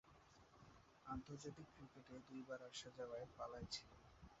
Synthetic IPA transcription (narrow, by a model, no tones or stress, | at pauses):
ant̪oɾd͡ʑat̪ikːɾikeʈed̪ujbaɾaʃad͡ʑaoaepalajt͡ɕʰilen